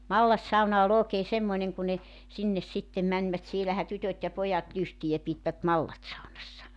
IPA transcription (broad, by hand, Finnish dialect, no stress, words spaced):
mɑlːɑsːɑunɑ ol oːkeː semːoĭneŋ ku ne sinːes sitːem mænʲʋæt sielæhæ tytøt jɑ pojɑt lystijæ pitʋæt mɑlːɑtsɑunɑsːɑ